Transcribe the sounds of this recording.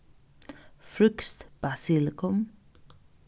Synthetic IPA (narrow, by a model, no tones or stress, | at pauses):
fɾʏkst̪b̥asɪlkʰɔm